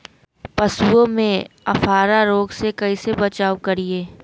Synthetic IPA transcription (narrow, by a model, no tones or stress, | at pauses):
pɐsuõmẽɐfʰaːɾaɾoːɡsekɐisebɐt͡ʃaːwkɐɾieː